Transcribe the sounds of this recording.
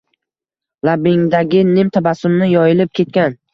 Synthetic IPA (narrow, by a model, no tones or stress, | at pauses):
labɪŋd̪aɡʲɪnɪmt̪ʰabasʊmnɪjɒjɪlɪp̚kʲʰe̞t̪̚kʲan